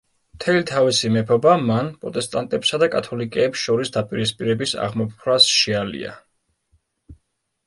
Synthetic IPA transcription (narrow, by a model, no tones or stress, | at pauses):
mt̪ʰɛlit̪ʰavisimɛpʰɔbamanpʼɾɔt̪ʼɛst̪ʼant̪ʼɛpsad̪akʼat̪ʰɔlikʼɛːpsʃɔɾisd̪apʼiɾispʼiɾɛbisa̰ʁmɔp̚ʰɾasʃialḭa̰